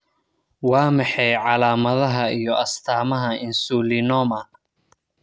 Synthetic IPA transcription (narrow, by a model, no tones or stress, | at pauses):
wɑːmɑħɛjʕɑlaːmɐðɐɦɐijɔʔɐst̪ʰaːmɐɦɐɪnsuːlinɔːmɐ